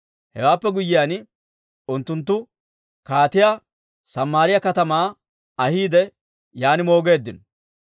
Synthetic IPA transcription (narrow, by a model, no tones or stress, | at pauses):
hɛ̰waːpːɛɡʊjːɪjaːn | ʊnt̪ːʊnt̪̬ːʊ | kaːt̪ɪja | sɐmːaːɾɪjɐkɐt̪ɐmaː | ɐhiːd̪ɛ | jaːnɪmo̞ːɡe̞ːd̪ːɪnɔ